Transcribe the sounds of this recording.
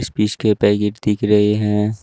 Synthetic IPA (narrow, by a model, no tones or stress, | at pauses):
spiːʃkepɛːɡɪʈd̪ɪkʰɾəɦeɦɛ̃